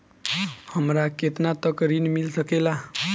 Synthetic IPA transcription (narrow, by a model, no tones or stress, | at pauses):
hʌmɾaket̪nat̪ʌkɾinmilsʌkela